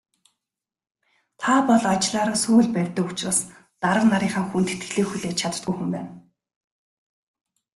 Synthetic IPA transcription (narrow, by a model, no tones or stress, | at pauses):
t̪ʰapɔɮat͡ɕɪɮaːɾaːsuːɮpærʲt̪ə̆kut͡ɕroːs | t̪aɾə̆qnaɾiːŋχaːŋxunt̪e̥t̪ɡɘ̥̆ɮeːxuɮeːt͡ɕt͡ɕʰat̪ə̆rt̪̚ɡujxumpæ̰ːn